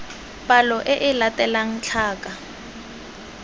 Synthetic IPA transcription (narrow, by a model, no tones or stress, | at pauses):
pʼalɔʔɪʔɪlatʼɛlaŋ̩t͡ɬʰaːkʼa